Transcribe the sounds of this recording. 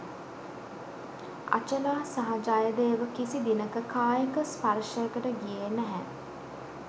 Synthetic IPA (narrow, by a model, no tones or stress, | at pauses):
a̰t͡ʃənaːsaɦad͡ʒaːjəd̪eːʋəkisid̪inəkəkaːjəkəspaɾʃəjəkəʈəɡijeːnæɦɛ̰